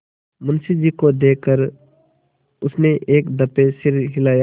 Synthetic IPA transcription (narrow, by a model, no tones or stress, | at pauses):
mɐnsid͡ʒiːkod̪eːkəɾ | ʊsneʔeːkd̪əpesɪɾɦɪlaːjaː